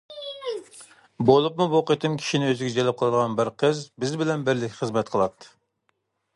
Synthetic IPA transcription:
bolˠupmuboqət̪ʰɨmkʲʰi̥ʃinɪøzɪɡʲɛd͡ʒɛlɛp̚qʰəlˠɨd̪əʁɑnbɪɾqʰəzbɪzbɪlɛnbɪɾlɪkʲːχəzmɛt̪̚qʰəlˠɑt̪ʰːɨ̥

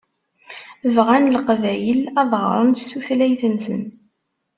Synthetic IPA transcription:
vʁænlqvæjəlɑðˤʁ̰ɾˤənt̪suθlæjθənsə̰n

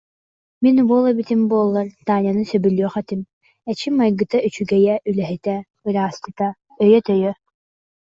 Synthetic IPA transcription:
minbuɔlˠabit̪imbuɔlˠːaɾt̪aːnʲjanɯsœbylʲyːχɛt̪im | ɛt͡ʃimajɡɯt̪ayt͡ʃyɡɛjɛʔylɛɦit̪ɛ | ɯɾaːst̪ɯt̪a | œjœt̪œjœ

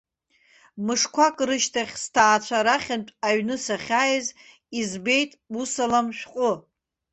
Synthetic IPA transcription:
mɨʂkʷʰakʼrɨʃtʰaχʲstʰaːt͡ɕʷʰaɾaχʲantʼaɥnɨsaχʲajz | izbe̞jtʼusalamʃᶣqʼʊ

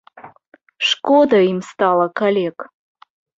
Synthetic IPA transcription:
ʂkod̪aimst̪alˠakʰalʲek

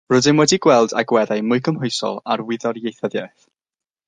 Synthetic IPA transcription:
rʊdɪnmwɛdiɡwɛlˠda̰ɡwɛðajmʊjkʰəmhʊjsɔ̰lˠarwɪðɔrjejθəðjaθ

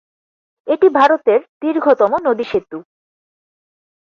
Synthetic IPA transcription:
eʈibʱaɾot̪eɾd̪̥iɾɡʱot̪ɔmonod̪iʃet̪ːu

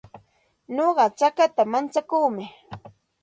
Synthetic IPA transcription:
ɲoɢɑt͡ʃakat̪amant͡sakuːmɪ

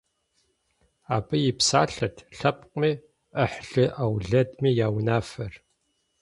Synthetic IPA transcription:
aːbɨjɪpsaːɬɐtʰɬɐpqʷʼmiː | ʔəħɬɨʔawɮɐdmiːjaːwnaːfɐr

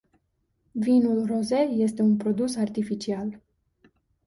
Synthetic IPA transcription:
vinulroze̞je̞st̪e̞unpɾo̞d̪usart̪ifit͡ʃial

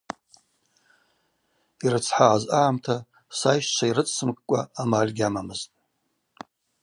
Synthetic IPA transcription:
iɾɨt͡sʰħaʕazaʕamtʰa | sajʃt͡ʃʷʰairɨt͡sʰʼsɨmkʼkʷʼaːmalʲɡʲamamɨztʼ

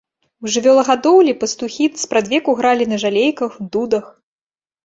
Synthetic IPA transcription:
wʐɨvʲɔlˠɐɣad̪ɔwlʲipɐst̪uxʲit̪spɾad̪vʲɛkuɣɾalʲinɐʐalʲejkɐxd̪ud̪ɐx

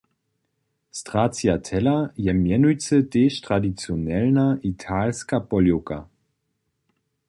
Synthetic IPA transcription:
stʁ̥aːt͡sjatʰɛlajɛmjɛnujt͡səteːʃtʁadit͡sjonɛlnaʔitʰaːlskapɔljoka

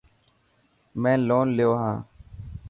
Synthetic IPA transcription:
mɛ̃ːloːnlɪjoːɦãː

